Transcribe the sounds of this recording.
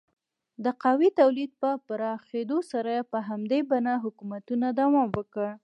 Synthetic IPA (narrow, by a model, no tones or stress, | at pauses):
d̪əqɑwit̪awlid̪̚pəpaɾɑxed̪osaɾajepəɦamd̪ebanaɦʊkumat̪unad̪awɑmwəkəɽ